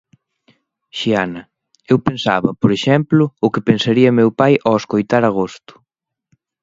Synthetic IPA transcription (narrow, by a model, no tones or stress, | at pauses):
ʃianɐ | ewpensa̰βɐpoɾeʃɛmplʊʊkɪpensaɾiɐmewpajʔoeskojt̪aɾaɣ̞ost̪ʊ̥